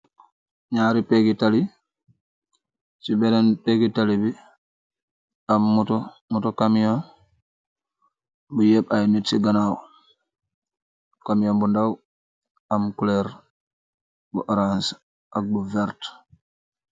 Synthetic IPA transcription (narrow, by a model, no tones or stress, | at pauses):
ɲaːɾipeɡitali | t͡ʃibɛnɛnpeɡitalibi | amːutɔ | mutɔkamjɔn | bujɛɓajnitsiɡanaw | kamijɔnbundaw | amkulɛɾ | buʔaɾans | ʔak̚buvɛɾt